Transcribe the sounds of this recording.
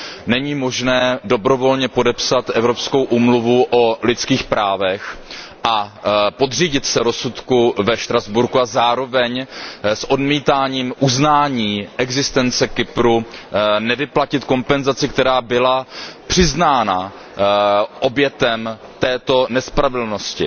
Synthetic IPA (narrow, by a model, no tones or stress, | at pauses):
nɛɲiːmo̞ʒnɛːdo̞bɾo̞vo̞lɲɛpo̞dɛpsat̪ʔɛvɾo̞psko̞wʔuːmluvuʔolɪt͡skiːxpɾaːvɛx | ʔapo̞d̪riːɟɪt̪sɛɾo̞sut̪kuvɛʃt̪ɾazbuɾkuazaːɾo̞vɛɲsʔo̞dmiːt̪aːɲiːmʔuznaːɲiːʔɛɡzɪst̪ɛnt͡sɛkɪpɾunɛvɪplacɪt̪ko̞mpɛnzat͡sɪkt̪ɛɾaːbɪlapr̝̥ɪznaːna | ʔo̞bjɛt̪ɛm | t̪ɛːt̪o̞nɛspɾavɪdl̩no̞scɪ̰